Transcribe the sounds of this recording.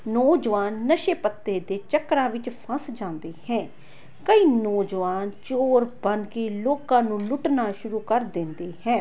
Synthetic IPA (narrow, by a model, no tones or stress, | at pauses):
nɔːd͡ʒʋaːnːəʃeːpət̪ːeːd̪eːt͡ʃəkɾãːʋɪt͡ʃpʰə̃sd͡ʒãːnd̪eːhɛ̃ː | kəiːnɔːd͡ʒʋaːnt͡ʃoːɾbənkeːloːkãːnũːlʊʈnaːʃʊɾuːkəɾd̪ɪ̃nd̪eːhɛ̃ː